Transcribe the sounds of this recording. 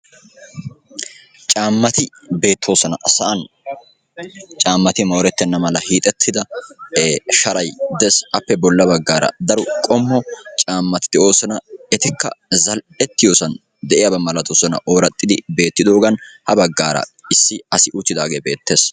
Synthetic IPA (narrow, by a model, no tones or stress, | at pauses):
t͡ʃʼaːmːɐt̪ɪ | be̞ːt̪ʰːo̞ːsɔnɐ̰sɐʔɐn | t͡ʃʼaːmːɐt̪ɪmo̞ːɾɛt̪ːɛnːɐmɐlɐhiːt̪ʼɛt̪ʰːɪd̪ɐ | ʃɐɾɐjd̪ɛsɐpːɛbɔlːɐbɐɡːaːɾɐ̰d̪ɐɾʊkʼɔmːɔt͡ʃʼaːmːɐt̪ɪ̥d̪ɛʔo̞ːsɔnɐɛt̪ɪkːɐ̰zɐl | ɛt̪ːɪjo̞ːsɐn | d̪ɛʔɪjabɐmɐlɐt̪oːsɔnɐ̰ʔoːɾɐt̪ʼːɪd̪ɪbe̞ːt̪ːɪd̪o̞ːɡɐnhɐbɐɡːaːɾɐ̰ɪsːɪɐsɪʔʊt͡ʃːɪd̪aːɡeːbe̞ːt̪ːe̞ːs